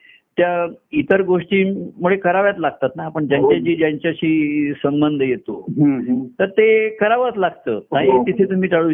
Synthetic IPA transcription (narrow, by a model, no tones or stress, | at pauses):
t̪jait̪əɾɡoʂʈiːmuɭekəɾaʋjat̪laɡ̚t̪at̪naːpəɳd͡ʑjaɲt͡ɕjat͡ɕiːd͡ʑjaɲt͡ɕjaɕiːsəmbənd̪ʱəjet̪oɦt̪əɾt̪ekəɾaʋat̪laɡt̪əːnaɦit̪it̪ʰet̪um̤iːʈaɭu